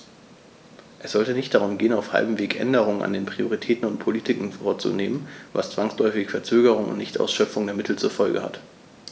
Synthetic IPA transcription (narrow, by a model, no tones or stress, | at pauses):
ʔɛsz̥ɔltənɪçt̚d̥aʁ̞ʊmɡeːənaʊfha̰lbm̩veːkʔɛ̰ndəʁ̞ʊŋəna̰ndeːnpʁ̥ioʁitʰɛːtn̩ʊnt̚pʰoliːtʰɪkŋ̩fɔɐt͡sṵneːmənva̰st͡sv̥aŋslɔʏfɪçfɛɐt͡søːɡəʁ̞ʊŋʊ̰ntnɪçtʔa̰ʊsʃœpp͡fʊŋdeːɐmɪtʰl̩t͡suːɐfɔlɡə̰ha̰t